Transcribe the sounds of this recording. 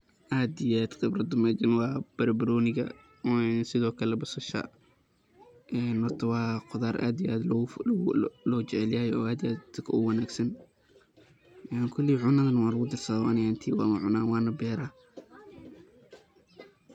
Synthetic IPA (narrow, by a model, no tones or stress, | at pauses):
ʔaːd̪ijaːd̪ɡɐbrɐd̪ʊmɛːd͡ʒɐnwɑːb̥ɐɾbɐɾɔːnɪɣɐ̰ | ɛnsɪðɔːkʰɐlɛbɐsɐʃɐ̰ | ʔɛːnhɔrt̪ʰɐwɑːqʊðaːrʔa̰ːd̪ijʔaːd̪l | lɔːt͡ʃɛʕɛljaːjɔːaːd̪iaːd̪kʰɐʊwɐnaːɡsɐn | ʔɛːŋkʰʊlːiʕʊnɐðɐnɐwɑːlɐɣʊd̪ɪrsɐðɔwanɪjaːnt̪ʰiːwɑ̰mɐʕʊnaːwɑːnɐbɛːɾaː